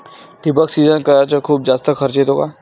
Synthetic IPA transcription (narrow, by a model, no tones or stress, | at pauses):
ʈɪbəksiːzənkəɾaːt͡ʃəkʰuːbzaːst̪akʰɐɾt͡ʃet̪oːɡaː